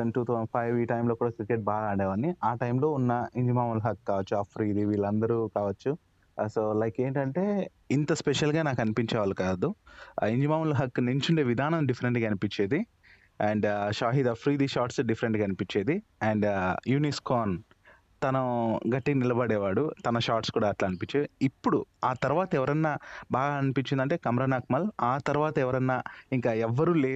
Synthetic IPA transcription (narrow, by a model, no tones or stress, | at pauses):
enʈuːt̪ʰʋɐnpʰɐjʋiːʈɐjmloːkuːɽaːkiɾkɾeʈ̚baːɡ̪aːɳɖɛːʋɐnːiʔaːʈɐjmlo̞ːunːɐiɲd͡ʒimaːmunlɦɐkːaːʋɐt͡ʃːuaːpʰɾiːd̪iːʋiːɭːɐnd̪ɐɾukaːʋɐt͡ʃːu | soːlɐjkeːɳʈɐɳʈe̞ː | int̪ɐspeʃɐlɡaːnaːkɐnipiɲt͡ʃɛːʋaːlukaːd̪uiɲd͡ʒimaːmulɦɐkːneɲt͡ʃuɳɖeːʋid̪ʱaːnɐmɖifʰɐɾeɳʈɡɐɐnipiɲt͡ʃeːd̪i | ɛːɳɖʃaːɦid̪apʰɾiːd̪iːʃaːɾʈsɖifʰɐɾeɳʈɡɐnipiɲt͡ʃeːd̪iɛɳɖjuːniskoːn | t̪ɐnɐɡɐʈːiknilɐbɐɽɛːʋaːɽut̪ɐnɐʃaːɾʈskuːɽaːʈlaːɐnipiɲt͡ʃeːd̪iipːuɽuaːt̪ɐɾuʋaːt̪ɐɛʋɐɾɐnːaːbaːɡaɐnipiɲt͡ʃind̪ɐɳʈe̞ːkɐmɾɐnaːk̚mɐlaːt̪ɐɾuʋaːt̪ɐɛʋɐɾɐnːaːiŋkaːɛʋːɐɾuleː